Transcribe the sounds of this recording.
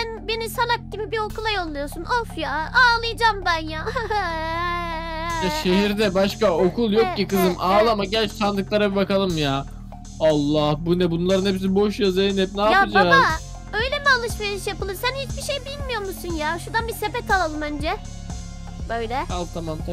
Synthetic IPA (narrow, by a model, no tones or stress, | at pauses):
ænbenisalak̚ɟibibio̞kʰulˠajo̞lˠːujo̞sunofjaːaːlˠɯjd͡ʒambænjaː | jaʃe̞ɦiɾd̪ɛbaʃkao̞kʰulˠjo̞k̚cikɯzɯmaːlˠamaɟælʲt͡ʃt̪ʰand̪ɯklˠaɾabibakalˠɯmjaː | alˠːahbunɛbunlˠaɾɯnepis̬ibo̞ʃjazeinɛt̪̚naːapɯd͡ʒaːz | ø̞jlʲemialˠɯʃveɾiʃjapɯlˠɯmsænhit͡ʃbiʃe̞jbilʲmijo̞ɾmusunjaːʃuɾd̪anbisebɛt̪ʰalˠalˠɯmænd͡ʒɛ | bø̞jlʲɛalˠt̪ʰamamt̪ʰa